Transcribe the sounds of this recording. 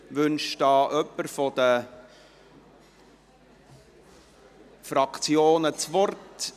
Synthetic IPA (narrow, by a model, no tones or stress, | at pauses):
vʏnʃd̥ɑːʔœpːəɾfɔd̥̪ə | fɾɑkt͡sjoːnət͡svɔrt